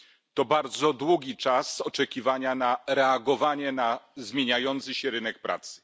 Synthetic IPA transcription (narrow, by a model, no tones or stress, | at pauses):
t̪ɔbaɾd̪zɔd̪wuɡʲit͡ʂasɔt͡ʂɛkʲivaɲanaɾɛaɡɔvaɲɛnazmʲjeɲajɔnt̪sɘɕɛɾɘnɛk̚pɾʔa̰t̪sɘ̥